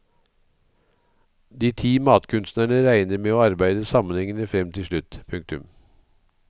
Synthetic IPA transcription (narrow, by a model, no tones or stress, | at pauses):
d̪iːt̪ʰiːmɑːt̪kʰʉnst̪næːɳəɾæɪnəɾmeːoːɑɾbæɪd̪əsɑmənhɛŋənəfɾɛmt̪ʰɪlʃɭʉt̪pʰʉŋk̚t̪ʉm